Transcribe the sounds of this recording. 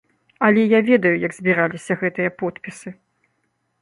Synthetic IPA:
ɐlʲɛjavʲɛd̪ɐjujɐɡzʲbʲiɾalʲisʲɐɣɛt̪ɨjɐpɔt̪pʲisɨ

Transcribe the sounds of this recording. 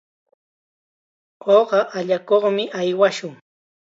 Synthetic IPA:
oɢɑʔaʎakoχmɪʔajwaʃʊŋ

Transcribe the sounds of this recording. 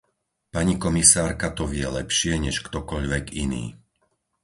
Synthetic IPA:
paɲikɔmisaːɾkat̪ɔʋɪɛlɛpʃɪɛɲɛʃkt̪ɔkɔʎʋɛɡinḭː

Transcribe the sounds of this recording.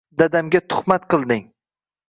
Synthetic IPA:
d̪ad̪amɡʲat̪ʰʊ̥χmat̪qɨlˠd̪ɪŋ

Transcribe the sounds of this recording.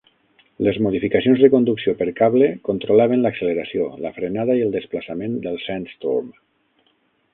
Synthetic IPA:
ləzmoð̞ifikasionzðəkond̪uksiopəɾkaβlekont̪ɾolaβənləksəleɾasioləfɾenaðaiəlˠd̪əsplasamẽnd̪əlˠsɛnst̪ṵm

